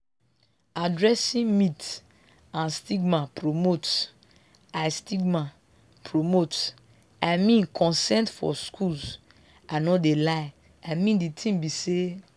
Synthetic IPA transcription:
adɹɛsĩmit | ãnstiɡmapɹomot | aɪstiɡma | pʰɹomot | aɪmĩnkʰɔ̃nsɛ̃ntfɔ̰skʰulz | anɔdelaɪ | aɪmĩnditʰĩmbise

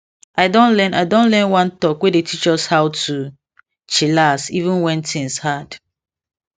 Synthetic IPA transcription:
ʔaɪdõnlɛnaɪdõnlɛ̃nwãntɔkwedetʰit͡ʃɔshawtu | t͡ʃilasivũnwɛ̃ntʰĩŋshad̥

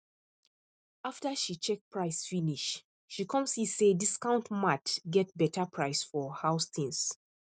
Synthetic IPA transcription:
aftəʃit͡ʃɛk̚pʰɹaɪsfiniʃ | ʃikʰɔ̃mshisediskãʊ̃ntmatɡɛt̚bɛtʰəpʰɹaɪsfɔhaʊst̪ʰĩns

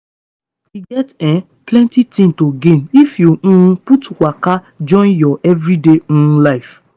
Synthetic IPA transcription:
iɡɛtɛ̃ | plɛ̃ntitĩntoɡẽnifjoũputwaka | d͡ʒɔ̃njɔʔɛvɾideũlaɪf

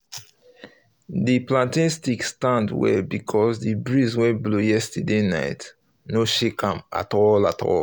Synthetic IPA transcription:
diplãntĩnstikstãndwɛ̰bikʰɔsdibɹizwɛ̃nblujɛstədena̰ɪt | noʃekãma̰tɔlatʰɔ̰l

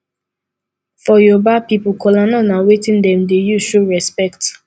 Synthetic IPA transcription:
fɔjɔbapipukʰɔlanɔnãwetĩndɛ̃mdejuʃoɹɛspɛkt

